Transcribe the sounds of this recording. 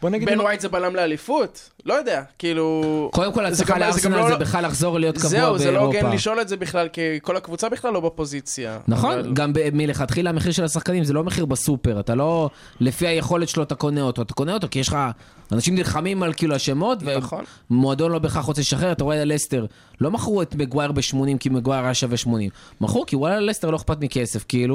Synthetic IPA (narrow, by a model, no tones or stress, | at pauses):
bonaɡibenwajt̪zebalamlealifut̪ | lojod̪eakiiːluko̞d̪e̞mko̞lataaleaʁanalzebeχalːaχzo̞ʁlijo̞ttkazuaubeelʁoɡepaliʃo̞letzebiχlalkeko̞lakvut͡sabiχlalːo̞bepo̞zit͡sja̰naχo̞nɡambemileχat̪χilameχiʁʃe̞lasaχkanimzelo̞meχiʁbasupe̞ʁat̪alo̞ | le̞fiajeχo̞let̪ʃeloat̪ako̞neot̪oat̪ḁko̞neot̪̬okijeʃlχa | anaʃimnilχamimalkiluaʃemo̞t̪ve | moad̪o̞nlo̞beχaχʁot͡seʃaχeʁt̪aʁoealest̪e̞ʁ | lo̞maχʁuet̪meɡwaeʁbeʃmo̞nimkimeɡwaeʁaʃaveʃmo̞nimːaχʁukiwajaleste̞ʁlo̞eχpatmike̞se̞fkiilu